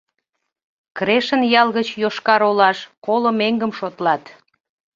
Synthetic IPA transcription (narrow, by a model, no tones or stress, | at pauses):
kɾeʃənjɑlɣət͡ɕjoʃkɑɾolɑʃkolomeŋɡəmʃot̪lɑt̪